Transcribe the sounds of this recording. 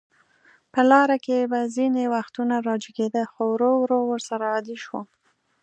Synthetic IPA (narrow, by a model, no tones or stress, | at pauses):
pəlɑɾakebazinewaxt̪unaɾɑd͡ʒiɡed̪əxowɾowɾowəɾsaɾaːd̪iʃwo